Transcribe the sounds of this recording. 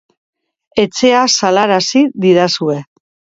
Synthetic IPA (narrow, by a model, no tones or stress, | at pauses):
e̞t͡se̞asalaɾasiðiɾasue̞